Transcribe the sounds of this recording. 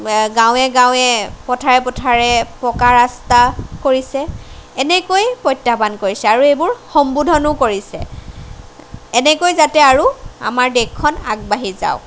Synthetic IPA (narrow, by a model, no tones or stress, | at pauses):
ɡãw̃ɛɡãw̃ɛpɔtʰaɹɛpɔtʰaɹɛpɔkaɹastakoɹisɛːnɛkojpɔjtːabankoɹisɛaɹuebʊɹxɔmbudʱɔnʊkoɹisɛ̰ | ɛnɛkojzatɛaɹua̰maɹdɛɔna̰ɡ̚baɦiza̰ʊ